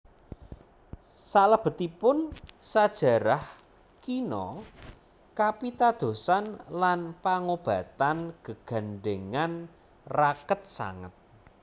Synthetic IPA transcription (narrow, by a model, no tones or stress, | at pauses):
salab̥ə̤t̪ipʊnsad̥ʒ̥ä̤ɾah | kinɔ | kapit̪ad̪̥o̤sanlanpaŋob̥a̤t̪anɡ̥əɡ̥a̤nɖeŋan | rakət̪̚sa̰ŋə̰t̪̚